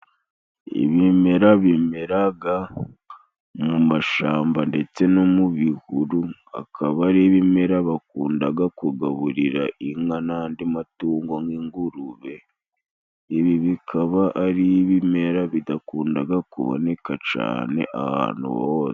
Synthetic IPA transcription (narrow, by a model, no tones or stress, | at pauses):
ḭβime̞ɾaβimeɾaɡa | mumaʃaːmbande̞t͡se̞no̞muβihuɾua̰kʰaβaɾiβime̞ɾaβak̚uːndaɡakuɡaβuɾiɾaʔiŋanaːndimatuːŋɡoŋɡiŋɡuɾuβe̞ | iβiβikʰaβaʔːɾiβime̞ɾaβidakuːndaɡakṵβo̰ne̞kat͡ʃa̰ːne̞̰ʔa̰ha̰ːnhṵβoːse̥